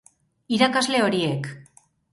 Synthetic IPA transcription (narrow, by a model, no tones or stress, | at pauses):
iɾakazle̞o̞ɾie̞k